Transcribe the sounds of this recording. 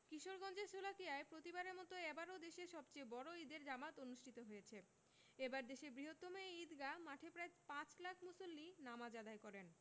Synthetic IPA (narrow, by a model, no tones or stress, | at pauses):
kiʃoɾɡɔnd͡ʑeɾʃolakijaepɾot̪ibaɾeɾmɔt̪oɛbaɾod̪eʃeɾʃɔbt͡ɕejbɔɾoid̪eɾd͡ʑamat̪onuʃʈʰit̪oɦojet͡ɕʰe | ebaɾd̪eʃebɾiɦot̪ːomoid̪ɡamaʈʰepɾaepãt͡ɕlakʰmusolːinamad͡ʑad̪aekɔɾen